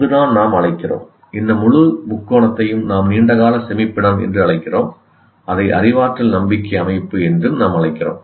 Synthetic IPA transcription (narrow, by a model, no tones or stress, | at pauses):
ðɯðaːnnaːmɐɻɐɪkːɪro̰ːm | ɪnːd̪ɐmʊɻɯmʊkːoːɳɐt̪ːɐjɯmnaːmniːɳɖɐɣaːlɐsɛmɪpːɪɽɐmɛ̰ndrɯɐɭɐɪkːɪroːm | ʔɐðɐɪʔɐ̰rɪʋaːʈrɪlnɐmbɪkːɐɐmɐɪpːɯɛndrɯnaːmɐɭɐɪkːɪro̰ːm